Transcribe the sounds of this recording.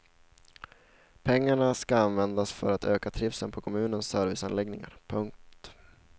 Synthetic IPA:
pʰɛŋːaɳaskaanvɛnd̪asfœ̰ɾat̪øːkat̪ʰɾɪfsənpʰɔkʰɔmʉ̟ːnənsœɾvɪsanlɛɡnɪŋa̰ɾpʰɵŋk̚t̪

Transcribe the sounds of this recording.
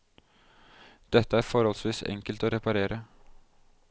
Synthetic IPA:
d̪̥ɛt̪ːəæːɾfɔɾhɔlsʋiːsɛ̰ŋkəlt̪oːɾɛpɑɾeːɾə

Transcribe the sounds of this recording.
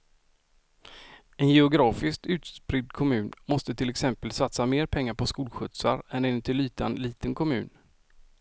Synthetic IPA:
ɛnjɛʊɡɾɑːfɪsk̚t̪ʉ̟ːt̪spɾɪd̪kʰɔmʉ̟ːnmɔst̪ət̪ʰɪlːɛksɛmpəlsat̪sameːɾpʰɛŋːaɾpʰɔskuːlɧɵt̪sa̰ɾɛnɛnɵt̪ʰɪlyːt̪ʰaɛnliːt̪ənkʰɔmʉ̟ːn

